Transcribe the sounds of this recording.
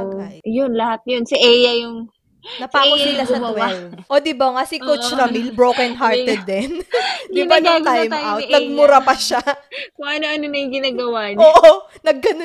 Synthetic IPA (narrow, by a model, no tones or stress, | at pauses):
ajjonlɐhat̪̚jonsɐʔɛːjɐjʊŋ | nɐpaːkonɪlasɐd̪wɛʔod̪ɪbɐŋɐsɪkot͡ʃɾɐmilbɹowkɛnɦaɹt̪ɛd̪ːɛnjʊmɐnɐt̪ajj̪awt̪nɐɡ̚mʊɾɐpɐʃakʊŋʔɐnoʔɐnonɐjʊŋɡɪnaːɡɐwanoːʔo | nɐɡːɐn